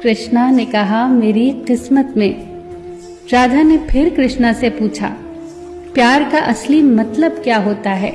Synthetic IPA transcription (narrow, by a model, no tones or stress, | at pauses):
kɾɪʃnanekɐɦameːɾiqɪsmət̪mẽ | ɾaːd̪ʱanepʰɪɾkɾɪʃnasepuːt͡ʃʰa̰ː | pjaːɾkaʔɐslimɐt̪ləbkjaːɦoːt̪aɦɛ̰ː